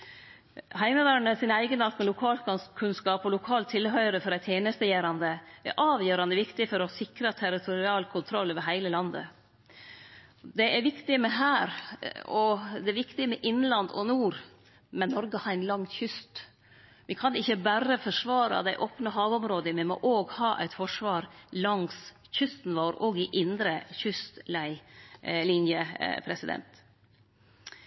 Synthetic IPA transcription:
ɦæɪməʋæɾɳəsɪnæɪɡənɑt̪mɛlʊkʰɑːlkɑkʰʉnskɑːpɔlʊkʰɑːlt̪ʰːɪlɦœʏɾəfɔɾæɪt̪ʰjeːnəst̪əjæːɾɑnd̪əʔɛ̰ɾʔɑːʋjøːɾɑnd̪əʋɪkt̪ɪfɔɾɔsɪkɾət̪ʰæɾɪt̪ʰʊɾɪɑːlkʰʊnt̪ʰɾɔlːoʋəɦæɪləlɑnd̪ə̰ | d̪ɛʔɛɾʋɪkt̪ɪmɛɦæːɾɔd̪ɛæɾʋɪkt̪ɪmɛʔɪnlɑnd̪ɔ̰nuːɾ | mɛnːɔɾɡəhɑɾæɪnlɑŋçʏst̪ | ʋɪkʰɑnɪçːəbæɾəfɔʂʋɑːɾɑ̰d̪æɪʔoːpnəɦɑːʋɔmɾoːd̪əmɛmɔ̰ʔoːɡhɑːʔæ̰ɪt̪fɔʂʋɑːɾlɑŋs | çʏst̪n̩ʋoːɾoːɡɪʔɪnd̪ɾəçʏst̪læɪlinjəpʰɾɛsɪd̪ɛ̰nt̪

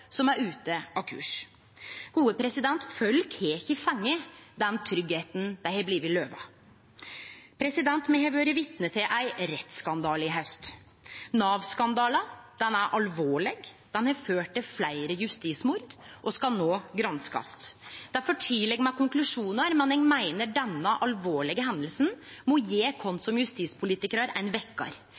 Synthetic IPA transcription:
sɔmæɾʉːt̪əʔɑʋkʰʉ̰ːʂ | ɡ̥uːəpʰɾɛsɪd̪ɛnt̪fœlkʰeːçəfɛŋːəd̪ɛnt̪ʰɾʏɡheːt̪n̩d̪æɪhɛbliːʋɪløːʋɑ̰ | pʰɾɛsɪd̪ɛnt̪mɛhɛʋøːɾəʋɪt̪nət̪ʰɪlʔæɪɾɛt̪skɑnd̪ɑːlɪɦɑʉst̪ | nɑːʋskɑnd̪ɑːləd̪̥ɛnæɾʔɑlʋoːɭɛɡd̪̥ɛnhɑføːʈ̪ːɪflæɪɾəjʉst̪iːsmʊɾd̪ʔɔskɑlnoːɡɾɑnskɑ̰st̪d̪̥æɾfɔʈʰɪlɛɡmɛkʰʊŋklʉʂuːnəɾmɛnɛnmæɪnəɖɛnːəʔɑlʋoːɭɪɡəɦɛnd̪əlsnmɔjeːkʰɔnsɔmjʉst̪iːspʰʊliːt̪ɪkəɾɑɾæɪnʋɛkːɑ̰ɾ

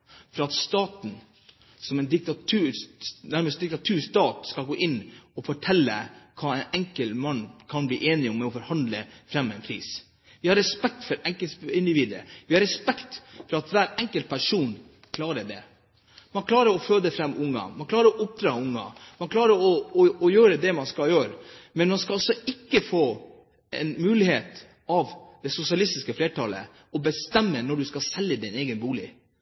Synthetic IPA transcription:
fɾɑɑt̪st̪ɑːt̪n̩ | sɔmɛnd̪ɪk̚t̪ɑt̪ʰʉːnæɾməst̪̚d̪ɪk̚t̪ɑt̪ʰʉːʂt̪ɑːt̪skɑlɡoːʔɪnːɔfɔʈʰɛlːə̰kʰɑːɛɪnɛŋkəlmɑnːkʰɑnbliːʔeːnɪɔmːɛɔfɔɾhɑnd̪ləfɾɛmːɛɪnkʰɾḭːs | ʋɪhɑɾːɛspɛk̚t̪fɔɾɛŋkəɪnd̪ɪʋiːd̪əɾə̰ʋɪhɑɾɛspɛkt̪fɔɾɑt̪ʋæːɾɛŋkəlt̪̚pʰæʂuːn | kʰlɑːɾəɖɛ̰ | mɑnkʰlɑːɾəɾɔføːd̪əfɾɛmːʊŋːɑ̰mɑnkʰlɑːɾəɾɔʊp̚d̪ɾɑːʊŋːɑ̰mɑnkʰlɑːɾəɾɔɔɔjøːɾəd̪ɛmɑnskɑljøːɾmɛnmɑnskɑlɑlsɔɪkːəfoː | ɛ̰nmʉːlɪheːt̪ | ɑʋd̪̥ɛsʊsɪɑlɪst̪ɪskəfleːʈʰɑlə̰ | ɔbəst̪ɛmːənɔɖʉskɑsɛlːəd̪ɪneːɡənbuːlɪ̰

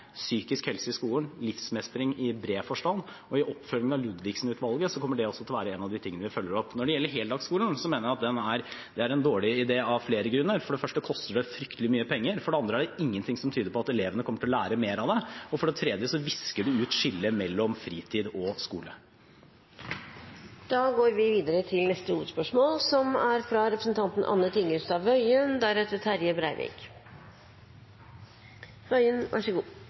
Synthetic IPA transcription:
syːkɪskhɛlsəɪskuːlənlɪfsmɛst̪ɾɪŋɪbɾeːfɔʂʈɑnd̪ | ɔɪʔɔpfœlɪŋnɑʋlʉd̪ʋɪksn̩ʉːt̪ʰʋɑlɡəsɔkʰɔmːəɖɛɔsːɔt̪ɪlʋæːɾəɛːnɑʋd̪ɪt̪ʰɪŋːənəʋɪfœlːəɾɔpːnɔɖɛjɛlːəɾɦɛːld̪ɑːɡskuːln̩sɔmeːnəɾæɑt̪̚d̪ɛnæɾd̪ɛæɾɛnd̪oːɭɪɪd̪eːɑʋfleːɾəɡɾʉnːəɾfɔɖɛfœʂʈəkʰɔst̪əɖɛfɾʏkt̪əlɪmyːəpʰɛŋːəɾfɔɖɛɑnd̪ɾəæɖɛɪŋːənt̪ʰɪŋsɔmt̪ʰyːd̪əɾpɔɑt̪ɛleːʋənəkʰɔmːəʈʰɪlɔlæːɾəmeːɾɑʋd̪ɛɔfɔɖɛt̪ʰɾɛd̪jəsɔʋɪskəɖʉʉːt̪ʂɪlːəmɛlːɔmfɾiːt̪ʰiːd̪ɔskuːlə̰ | d̪̥ɑːɡoːɾʋɪʋiːd̪əɾət̪ʰɪlnɛst̪əuːʋəd̪spœʂmoːlsɔmæɾfɾɑɾɛpɾəsən̩t̪ʰɑnt̪n̩ʔɑ̰nːət̪ʰɪŋːəst̪ɑːʋœʏənd̪æɾɛt̪ːət̪ʰæɾjəbɾæɪʋɪ̰ːk | œʏənʋʔæ̰ʂəɡuː

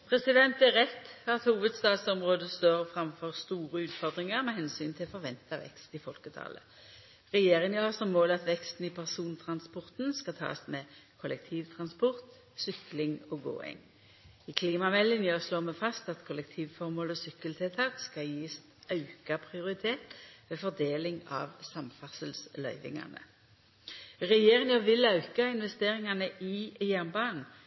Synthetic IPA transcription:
pʰʁɛsɪd̪ɛnt̪ɛʁɛt̪ːfɔʁɑt̪huːʋəd̪st̪ɑːt̪sɔmʁoːd̪əst̪øːʁfʁɑmfɔʁst̪uːʁəʉːt̪fɔʁd̪ʁɪŋəʁmɛhɛnsyːnt̪ʰɪlfɔʁʋɛnt̪ɑʋɛ̰kst̪ɪfɔlkət̪ʰɑ̰ːlə̰ | ʁɛjeːʁɪŋjøːʁsɔmːoːlɑt̪ʋɛkst̪n̩ɪpʰæʁsuːnt̪ʰʁɑnspɔʁt̪n̩skɑt̪ʰɑ̰ːsmɛkʰɔlɛk̚t̪ʰiːʋt̪ʰʁɑnspɔʁt̪ | sʏklɪŋɔɡo̰ːɪ̰ŋ | ikʰliːmɑmɛlːɪnjøːsloːmɛfɑst̪ɑt̪kʰɔlɛk̚t̪ʰiːʋfɔʁmoːlɔsʏkəlt̪ʰɛlt̪ʰɑːkskɑljiːs | ɑʉkɑpʰʁɪʊʁɪt̪ʰeːt̪ʋeːfɔd̪eːlɪŋɑ̰ʋsɑmfɑsəlslœʏʋɪ̰ŋɑ̰nə̰ | ʁɛjeːʁɪŋɑʋɪlɑʉkɑɪnʋɛst̪eːʁɪŋɑnəʔɪjænbɑːn

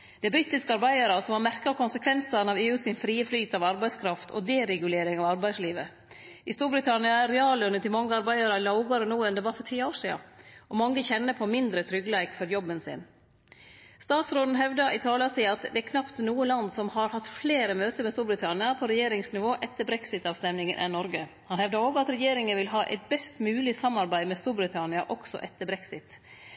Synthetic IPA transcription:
d̪̥ɛɪbɾɪt̪ːɪskəɑɾbæɪɑɾəsɔmɑɾmæɾkɑɾkʰʊnsəkʰʋɛnsɑɾnɑʋeːʉːsɪnfɾiːəflyːt̪ʰɑʋɑɾbæɪskʰɾɑft̪ʰɔ̰d̪ɛɾɛɡʉleːɾɪŋɑʋɑɾbæɪsliːʋə | ɪst̪uːɾbɾɪt̪ʰɑnɪɑæɾɛɑːlʉnət̪ɪlmɑŋːəɑɾbæɪɑɾəlɑʊɡɑɾənuːɛnd̪ɛʋɑɾfɔʈʰiːəoːʂiːɑ̰ʔɔmɑŋːəçɛnːəpʰɔmɪnd̪ɾət̪ʰɾʏɡlæɪkfɔɾjɔbːənsɪ̰n | st̪ɑːt̪sɾoːd̪n̩ɦɛʋd̪ɑʔɪt̪ʰɑːlɑsiːɑt̪d̪ɛæɾkʰnɑpt̪nuːəlɑnd̪sɔmhɑɾhɑt̪ːfleːɾəmøːt̪əmɛst̪uːɾbɾɪt̪ʰɑnɪɑpʰɔɾɛjeːɾɪŋsnɪʋoːʔɛt̪ːəbɾɛksɪt̪ɑːʋst̪ɛmnɪŋənʔɛ̰nːɔɾɡə | hɑnhɛʋd̪ɑɾoːɡɑt̪ɾɛjeːɾɪŋənʋɪlɦɑːʔɛ̰ɪt̪̚bɛst̪mʉːlɪsɑmːɑɾbæɪmɛst̪uːɾbɾɪt̪ʰɑnɪɑʔɔksɔ̰ʔɛt̪ːəbɾɛksɪt̪

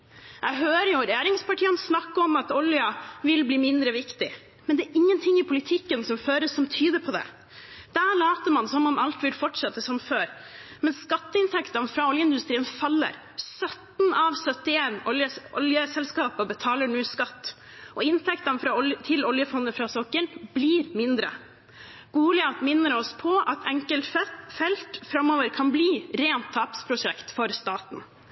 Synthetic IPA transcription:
ʔɛɪɦøːɾəjʊɾɛjeːɾɪŋspɑʈʰiːənsnɑkːəɔmɑt̪ɔljɑʋɪlbliːmɪnd̪ɾəʋɪkt̪ɪ | mɛnd̪ɛæːɾʔɪŋːənt̪ʰɪŋːɪpʰʊlɪt̪ʰɪkːənsɔmføːɾəsːɔmt̪ʰyːd̪əpʰɔd̪ɛ̰ | d̪̥æɭɑːt̪əmɑnsɔmɔmɑlt̪ʋɪlfɔʈʂɛt̪ːəsɔmføːɾ | mɛnskɑt̪ːəɪnt̪ʰɛkt̪ɑnfɾɑɔljəɪnd̪ʉst̪ɾiːənfɑlːə̰ɾ | sœt̪n̩ɑʋsœt̪ɪeːnɔjəɔljəsɛlskɑːpəbət̪ʰɑːləɳʉːskɑt̪ː | ʔɔɪnt̪ʰɛkt̪ɑnfɾɑːɔljət̪ʰɪlɔljəfɔnd̪əfɾɑːsɔkːəɳbliːɾmɪnd̪ɾə̰ | ɡ̥uːlɪɑt̪mɪnːəɾɔspʰɔʔɑt̪ʰɛŋkəlɛfɛlt̪fɾɑmoːʋəɾkʰɑnbliːɾeːnt̪ʰːɑːpspʰɾʊʂɛkt̪fɔɾst̪ɑːt̪n̩

